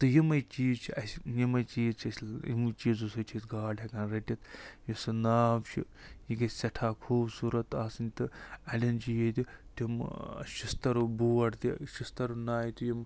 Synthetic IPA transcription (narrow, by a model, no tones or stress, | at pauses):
t̪ɨjimɐjt͡ʃiːzt͡ʃʰiɐsʲjimɐt͡ʃiːzt͡ʃʰɐsʲḭmt͡ʃiːzusot͡ʃʰiːzɡaːɖʲɐkanɾɐʈʲɐt̪jisɨnaːbt͡ʃʰḭ | jiɡɐsʲɐʈʰaːkʰuːbsuːɾɐt̪aːsɐnʲt̪ɨɐlʲɐnt͡ʃijet̪ʲit̪imʃist̪ɐɾubuːɐʈt̪ḭʃist̪ɐɾunaːjt̪ujim